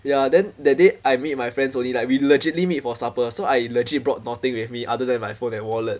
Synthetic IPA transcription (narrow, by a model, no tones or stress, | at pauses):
jadɛ̃ndɛdeʔajmit̚majfɹɛ̃ndsõnlilaɪk̚wiləd͡ʒɪtlimit̚fɔsapəsoajiləd͡ʒlibɹɔt̚nat̪ɪ̃ŋwiθmiʔadədɛ̃nmajfõnɛ̃nwɔlət̚